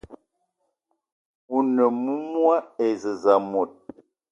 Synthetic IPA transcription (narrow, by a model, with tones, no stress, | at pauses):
u˨nə˨mu˦mwa˦e˨zə˨za˨mo˨t̚